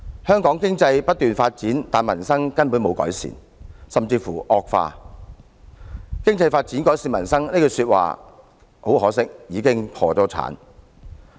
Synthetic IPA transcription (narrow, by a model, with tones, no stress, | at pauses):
hœː˥ŋkɔː˨˥ŋkɪ˥ŋt͡sɐ˧jpɐ˥t̚t̪yː˨nfaː˧t̚t͡siː˨˥nt̪aː˨nmɐ˨˩nsɐ˥ŋkɐ˥npu˨˥nmo˨˧wkɔ̰ː˨˥jsḭː˨˩n | sɐ˨mt͡siː˧fuː˨˩ʔɔː˧k̚fa̰ː˧ | kɪ˥ŋt͡sɐ˧jfaː˧t̚t͡siː˨˥nkɔː˨˥jsiː˨˩nmɐ˨˩nsɐ˥ŋneː˥ko˧syː˧t̚wa̰ː˨ | ho˨˥whɔː˨˥sɪ˥k̚jiː˨˧kɪ˥ŋpʰɔː˧t͡sɔː˨˥t͡sʰa̰ː˨˥n